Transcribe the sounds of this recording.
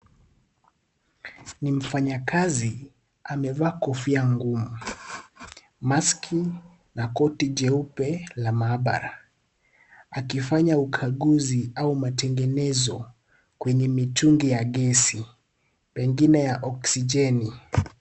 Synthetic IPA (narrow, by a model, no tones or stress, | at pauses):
nim̩faɲakazi | amɛvaːkɔfiaŋɡumu | maskʰi | nakɔtid͡ʒɛupɛlamaːɓa̰ɾa | akifaɲaukʰaɠuziaumatɛŋɡɛnɛzɔ | kwɛɲɛmituŋɡijaɠɛsi | pɛŋɡinɛjaʔɔksid͡ʒɛni